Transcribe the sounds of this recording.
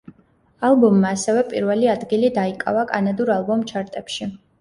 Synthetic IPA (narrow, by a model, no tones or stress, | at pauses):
alˠbɔmːaːsɛvɛpʼḭɾvɛliad̪ɡilid̪aikʼa̰vakʼa̰nad̪uɾalˠbɔmt͡ʃʰaɾt̪ʼɛpʃi